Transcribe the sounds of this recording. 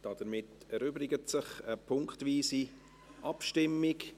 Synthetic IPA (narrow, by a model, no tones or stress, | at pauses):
d̥ɑd̥əɾmɪt | ɛɾyːbɾɪɡətsɪχəpʰʊŋkχtviːsi | ʔɑpʃtɪmːɪk